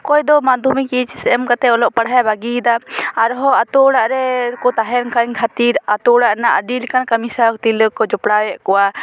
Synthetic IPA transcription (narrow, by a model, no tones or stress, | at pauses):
kɔjd̪ɔmad̪ʱumikit͡ʃsɛmkat̪ɛɔlɔʔpaɽɦajbaɡid̪aaɾɦɔat̪ɔɽaʔɾɛkɔt̪aɦɛnkʰaɲkʰat̪iɾat̪ɔɽaʔnaʔəɖilikankamisaɾk̚t̪iləkːɔd͡ʒɔpɽawɛʔkɔwa